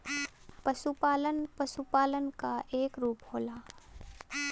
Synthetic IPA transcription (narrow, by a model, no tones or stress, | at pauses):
pəʃupaːlənpəʃupaːlənkaʔeːkɾuːpɦoːlaː